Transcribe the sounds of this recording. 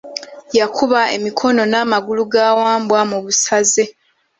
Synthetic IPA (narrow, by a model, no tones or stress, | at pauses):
jakʰuβae̞̰mikʰo̞no̞namaɡuluɡaːwaːmbwamuβusaze̞